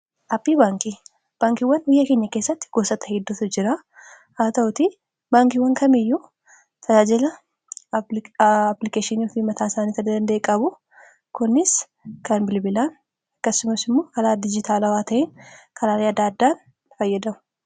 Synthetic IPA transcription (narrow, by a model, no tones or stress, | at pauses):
ʔɐpːiːbaːŋki | b̥aːŋkiwːɐnbɪjːɐkeːɲːɐkeːsːɐt̪ːɪ̥ɡ̥oːsɐt̪ɐ̥hɪd̪ːʊt̪ʊd͡ʒɪɾa | haːt̪ɐʊt̪i | baːŋkɪwɐŋkɐmɪjːu | t̪ʰɐd͡ʒaːd͡ʒɪlɐ | plɪkeːʃɪniːɔfiːmɐt̪aːɪsaːniːt̪ɪnd̪ɐnd̪ɐʔekʼɐbʊ | kʊnːɪs | kɐnbɪlbɪlaːn | ɐkːɐsʊmɐsɪmːoːkɐɾaːd̪ɪd͡ʒɪt̪ʰaːlɐwaːt̪ɐʔenkʰɐɾaːleɐd̪aːd̪ːaːn | fɐjːɐd̪ɐmʊ̥